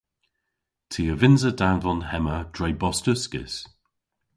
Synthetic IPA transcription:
tʰiːəvɪnzədanvɔnɦɛməd̥ɹɛjbɔstəskɪ̰s

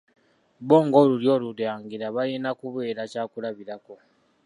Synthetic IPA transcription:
βo̞ːŋɡo̞ːluljo̞ːluɾaːŋɡiɾaβajenakuβe̞ːɾacaːkulaβiɾako̞

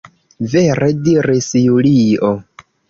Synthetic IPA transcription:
veɾʔediɾisjulio

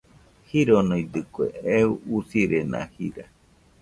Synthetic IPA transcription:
hiɾonoid̪ɨkʷḛeuusiɾena̰hiɾa

